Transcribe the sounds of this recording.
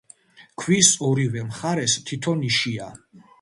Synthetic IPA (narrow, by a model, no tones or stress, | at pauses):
kʰwisɔɾivɛmχaɾɛst̪ʰit̪ʰɔniʃia